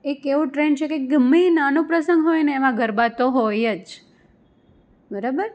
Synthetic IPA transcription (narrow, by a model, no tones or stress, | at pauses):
ekeʋũʈɾent͡ʃʰekeɡəmːinanũpɾəsəŋɡɦojneːʋãɡʱəɾbat̪oɦojəd͡ʒ | bəɾabəɾ